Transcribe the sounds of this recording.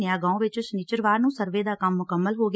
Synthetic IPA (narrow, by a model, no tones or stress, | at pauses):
jaːɡãːõːʋɪt͡ʃʊsniːt͡ʃəɾʋaːɾnũːsəɾʋeːd̪aːkəmːʊkəmːəlɦoːɡ